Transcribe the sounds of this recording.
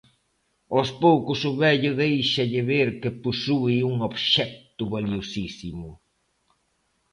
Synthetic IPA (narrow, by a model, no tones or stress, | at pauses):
ospowkʊsʊβɛʎʊðejʃɐʎɪβeɾkɪpusuɪuŋoβʃɛk̚t̪ʊβaljiosisimʊ